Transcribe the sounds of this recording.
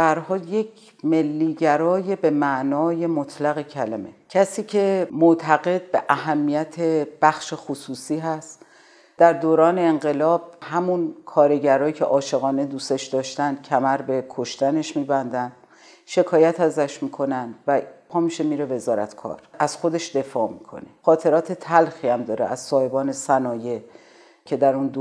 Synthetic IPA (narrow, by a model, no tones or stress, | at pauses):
bææɾɦɒːljecʰ | me̞lːiːɟæɾɒːje̞bemæʔnɒːje̞mot̪ʰlæɣecʰælæmecʰæsiːcʰe̞moʔt̪ʰæɣe̞d̪̚be̞ʔæɦæmːijæt̪ʰeb̥æxʃexosuːsiːɦæst̪ | d̪̥æɾd̪oːɾɒːne̞ːŋɢe̞lɒːb̥̚hæmunkʰɒːɾe̞ɟæɾɒːjicʰe̞̰ʔɒːʃe̞ɣɒːne̞d̪uːse̞ʃd̪ɒːʃt̪ænd̪̥̚cʲʰæmæɾbe̞kʰo̞ʃt̪æne̞ʃmiːbænd̪ænd̪̥ | ʃe̞kʰɒːjæt̪ʰæzæʃmiːkʰo̞nænd̪væpʰɒːmiʃe̞miːɾe̞ve̞zɒːɾæ̰t̪kʰɒ̰ːɾʔæz̥xo̞d̪e̞ʃd̪e̞fɒːmiːkʰo̞̰ne̞xɒːt̪ʰe̞ɾɒːt̪ʰe̞t̪ʰælxiːæmd̪ɒːɾḛʔæz̥sɒːhe̞bɒːne̞sænɒːje̞ | cʰe̞d̪æɾund̪